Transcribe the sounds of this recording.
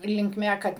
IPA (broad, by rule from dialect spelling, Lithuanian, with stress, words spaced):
lʲɪŋkˈmʲɛ ˈkɐt